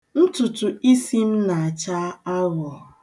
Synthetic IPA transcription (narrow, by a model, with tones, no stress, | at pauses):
n̩˦tʊ˨tu˨i˦si˦m̩˦na˨a˨t͡ʃa˦a˦ɣɔ˨